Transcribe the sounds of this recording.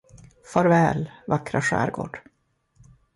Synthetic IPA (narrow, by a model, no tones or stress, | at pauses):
fœɾvɛːlvakɾaʂæ̰ːɾɡo̰ːɖ̥